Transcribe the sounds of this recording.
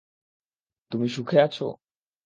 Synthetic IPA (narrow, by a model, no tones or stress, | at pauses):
t̪umiʃukʰeat͡ɕʰo̰